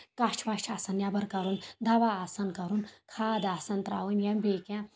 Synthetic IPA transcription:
kat͡ʃʰʋaːt͡ʃʰasɐnjabɐɾkɐɾuːnd̪ɐʋaːsɐnkɐɾunkʰaːd̪aːsɐnt̪ɾa̰ːʋunjɐmbeːkã

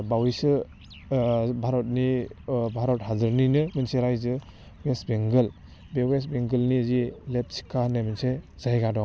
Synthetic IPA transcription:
bawisɯ | bʱaɾɔt̚nibʱaɾɔt̚hadɯɾninɯmɯnseɾajzɯ | wesbeŋɡɯl | bewes̬beŋɡɯlniəzilep̚si̥kʰːanajmɯnsez̥ajɡadɔŋ

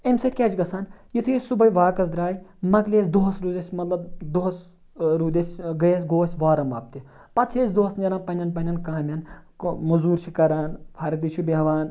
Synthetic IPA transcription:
ɐmsɐt̪ʲkʲeːt͡ʃɡɐsʰaːnjit̪ʰujesubɐjʋaːkɐsd̪ɾaːjmɐkleːsd̪uɦɐsɾuːzɐsʲmɐt̪lɐbd̪oɦɐs | ɾuːd̪ʲɐsʲɡɐjɐsʲɡoːsʲʋaːɾɐmɐːp̚t̪i | pɐt̪t͡sʰeːsd̪oɦɐsneɾaːnpɐnʲɐnpɐnʲɐnkaːmʲɐnmuzuːɾt͡ʃʰikɐɾaːnpʰɐɾkd̪it͡ʃʰubiɦɐʋaːn

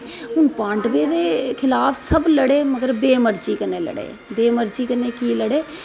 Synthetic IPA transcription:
ɦʊnpãːɳɖʋeːɾeːkʰɪlaːpʰsəbləɽeːməɡəɾbeːməɾd͡ʒiːkəneːlə̰ɽḛː | beːməɾd͡ʒiːkəneːkiːləɽeː

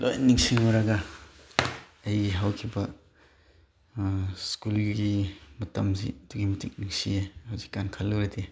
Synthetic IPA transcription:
lʔo̰jniŋsiŋuɾaɡɐ | ɐjɡiɦawkʰibɐ | skulɡimɐtɐmzḭduɡimɐtik̚niŋsiehawzikːankʰalːuɾete

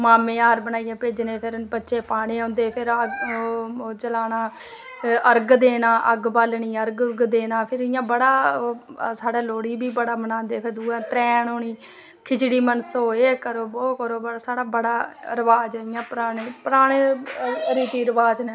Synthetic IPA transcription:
maːmẽːaːɾbənaːijãːpeːd͡ʒneːpʰɪɾbətːʃeːpaːɽ̃eːõːnd̪eːpʰɪɾəɡː | t͡ʃəlaːnaː | əɾɡd̪eːnãːʔəɡbalɳiːəɾɡɡd̪eːnaːpʰɪɾɪjãːbəɽaː | saːɖaːloːɽiːbiːbəɽaːbənãːnd̪eːpʰɪɾd̪uːɛ̃ːt̪ɾɛːɳoːɽiː | kʰɪt͡ʃɽiːmənsoːeːkəɾoːbɔːkəɾoːbəɽasaːɽaːbəɽaːɾəʋaːd͡ʒɪjãːpɾaːɽeːpəɾaːɽ̃eːɾiːt̪iːɾəʋaːd͡ʒnẽː

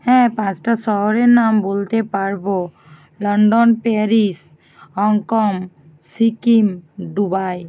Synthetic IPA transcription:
hɛ̃pãt͡ʃʈasɔɦɔɾenambolt̪epaɹbɔ | lɔɳɖɔnpeɾis | ɦɔŋkɔm | sikimɖubaj

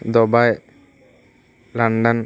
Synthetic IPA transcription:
d̪ɔbaj | laɳɖɐn

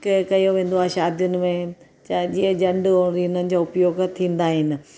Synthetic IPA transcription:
kkɐjoʋẽːnd̪oaːʃaːd̪jʊnɪ̆mẽ | t͡ɕad͡ʑiə̃d͡ʑɐ̃ɳɖoɾinənɪ̆d͡ʑaːʊpjoːɡt̪ʰĩːn̆d̪aːɦɪnɪ̆

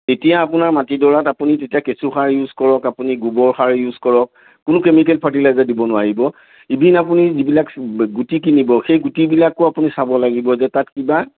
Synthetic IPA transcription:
etijaːpʊnaɹmatidɔɹatapunitetijakesuxaɹjuzkɔɹɔkapuniɡubɔɹxaɹjuzkɔɹɔkː | ʊnʊkemik̬ɛlpʰat̬ilajzadibɔnʊaɹibɔ | ibʱinapunizibilakɡutikinibɔxejɡutibilakʊapunisabɔlaɡibɔzɛtatkiba

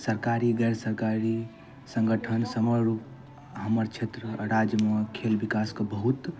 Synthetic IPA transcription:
səɾkaɾiɡɛɾəsəɾkaɾi | sə̃ŋɡəʈʰənsəməɾup | ɦəməɾt͡ʃʰet̪ɾəɾad͡ʒjəmekʰelbikaskəbəɦut̪

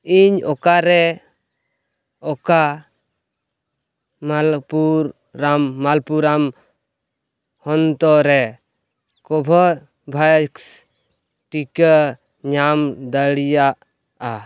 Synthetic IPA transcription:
iɲɔkaɾɛ | ɔka | malpuɾː | amːalpuɾam | hɔnt̪ɔɾɛ | kɔbʱɔ | bʱaks | ʈikə | ɲamd̪əɽijaʔ | a

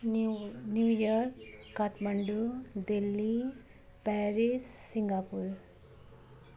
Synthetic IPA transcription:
njuːjaɾkː | aʈmɐɳɖud̪elːi | pɛːɾisːiŋɡaːpuɾ

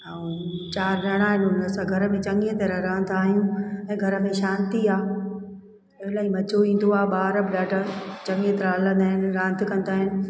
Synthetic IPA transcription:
aːũt͡ɕaːɾɾɐɽ̃aːɦɪnʊnəsãɡʱɐɾə̆mẽt͡ɕɐŋɡet̪eɾaɾɐɦə̃nd̪aːɦijũɛ̃ːɡʱɐɾə̆mẽʃaːnt̪iaː | ɐɦɪlaːɦimɐt͡ɕoʋĩːn̆d̪oaːɓaːɾəbɪɗaːʈət͡ɕɐ̃ŋɡet̪ɾaːɐlə̃nd̪aːɦɪnɪ̆ɾãːnt̪kɐ̃nd̪aːɦɪnɪ̆

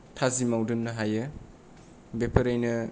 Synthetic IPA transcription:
tʰazimawdɯnːɯɦajɯ | bepʰɐɾajnɯ

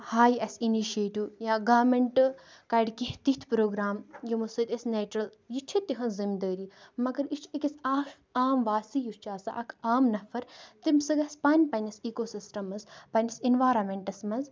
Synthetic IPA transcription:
haːjɐsiniʃeːʈiːjaːɡaːmeɳʈkɐiɖkiht̪it̪ʰpɾoːɡɾaːmjimusɨt̪ʲɐsʲneːt͡ʃɾɐl | jit͡ʃʰit̪ːiɦɐ̃nzimd̪əːɾiːmɐɡɐɾit͡ʃʰikʲisaːʃ | aːmʋaːsijust͡ʃʰaːsa̰ʔɐkʰaːmnɐfɐɾt̪imsɨɡɐspaːnʲpɐnʲɐsiːkoːsisʈɐmɐzpɐnʲɐsinʋaːɾɐmeɳʈɐsmɐz

